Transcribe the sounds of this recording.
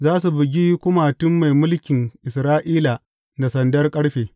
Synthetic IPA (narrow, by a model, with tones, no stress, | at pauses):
zaː˦s̬u˨bɪ˨ɡʲiː˦kʷʊ˦ma˨tʊ˦mːa˨jmʊ˦lkʲɪ˨ŋʔɪ˨sɾaː˦ʔiː˦la˨ | na˨sɐ˨ndɐ˦rkʼɐ˦ɽɸeː˨